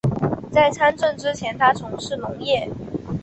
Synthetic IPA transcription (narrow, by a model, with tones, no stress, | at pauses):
t͡sa˥˩ɪt͡sʰa˥nʈ͡ʂwə˥˩nʈ͡ʂɻ̩˥t͡ɕʰjɛ˧˥nt̪ʰa˥t͡sʰʊ˧˥ŋʂɻ̩˥˩nʊ˧˥ŋjɛ˥˩